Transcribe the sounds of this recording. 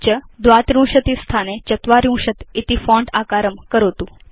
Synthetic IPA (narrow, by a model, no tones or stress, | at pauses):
t͡ɕəd̪ʋat̪ɾũw̃ʂət̪ist̪ʰanet͡ɕət̪ʋaɾjũwʂət̪it̪ifɔ̃ɳɖakaɾəmkəɾot̪ũ